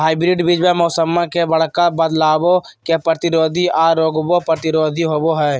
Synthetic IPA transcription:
ɦaːɪbɾɪɖbid͡ʒbẽmɔːsəmːãkebəɽkabəd̪laːbo | kepɾət̪ɪɾoːd̪ʱiaːɾoːɡbopɾət̪ɪɾoːd̪ʱiɦoːboɦɛː

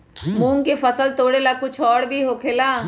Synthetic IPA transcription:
mũːŋkefɐsəlt̪oːɽelakʊt͡ʃʰɔːɽbʱiɦoːkʰeːlaː

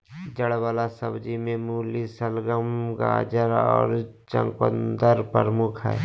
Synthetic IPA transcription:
d͡ʒəɽʋaːlasəbd͡ʒimẽmuːlisəlɡəmɡa̰ːd͡ʒəɾɔ̰ːɾ | t͡ʃə̰̃ŋkənd̪əɾpəɾmukʰɦɛ̰ː

